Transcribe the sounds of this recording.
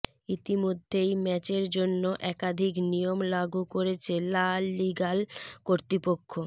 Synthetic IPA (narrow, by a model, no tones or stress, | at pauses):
it̪imod̪ʱːejmɛt͡ɕeɾd͡ʑonːoʔɛkad̪ʱiknijomlaɡukoɾet͡ɕʰelalːiɡalkoɾt̪ɾipokʰːo